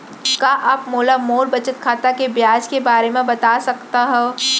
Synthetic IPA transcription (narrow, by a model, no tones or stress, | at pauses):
kaʔaːpmoːlamoːlbɐt͡ʃət̪kʰaːt̪akebjaːd͡ʒkebaːɾemẽbɐt̪aːsɐkt̪aɦɛː